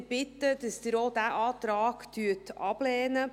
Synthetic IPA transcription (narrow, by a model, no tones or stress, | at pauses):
b̥ɪt̪ːədəsd̥̪əɾodæʔɑːt̪ɾaːɡtyətɑb̥lɛːnə